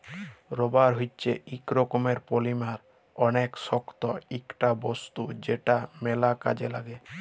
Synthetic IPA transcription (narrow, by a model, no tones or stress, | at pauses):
ɾɔbaɾɦojt͡ɕʰeikɾokomeɾpolimaɾ | ɔneksɔkt̪ɔikʈabɔst̪ud͡ʑeʈamɛlaka̰d͡ʑelaɡe